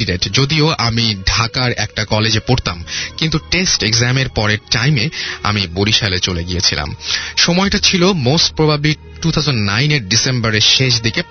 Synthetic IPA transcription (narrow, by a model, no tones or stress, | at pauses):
iɖeʈd͡ʑod̪ioʔamiɖʱakaɾɛk̚ʈakɔled͡ʑepoɾt̪amkint̪uʈesʈeɡzameɾpɔɾeɾʈajmea̰miboɾiʃalet͡ɕoleɡiet͡ɕʰila̰mʃɔmɔeʈat͡ɕʰilomosʈ̚pɾobʱabli | ʈut̪ʰawd͡ʑonːajneɾɖisembaɾeɾʃeʃ̬d̪ʱike